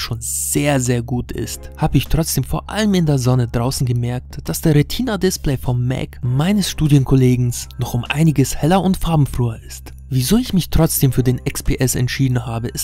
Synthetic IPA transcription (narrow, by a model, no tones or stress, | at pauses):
ʃoːnz̥eːɐzeːɐɡuːtʰɪ̰sthaːbəɪçtʁ̥ɔt͡sd̥eːmfoːɐʔa̰ləmɪndeːɐzɔnədʁaʊsn̩ɡəmɛɐk̚td̥asd̥eːɐʁetʰiːnadɪsplɛɪfɔmːɛ̰kmaɪnəsʃtuːdjənkʰɔleːɡŋ̩snɔχʊmʔa̰ɪnɪɡəshɛlɐʊntfaɐbm̩fʁ̥yːɐʔɪst | vizoːɪçmɪçtʁ̥ɔt͡sd̥eːmfyːɐdeːnɛkspʰeːʔɛsɛ̰ntʃiːdn̩haːbəʔɪs